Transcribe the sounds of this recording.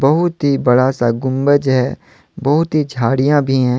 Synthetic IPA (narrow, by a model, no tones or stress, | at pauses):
bəɦʊt̪ɦibɐɽasaɡʊmbəd͡ʒɦɛː | bɐɦʊt̪ɦid͡ʒʱaːɽijãbʱiɦɛ̃ː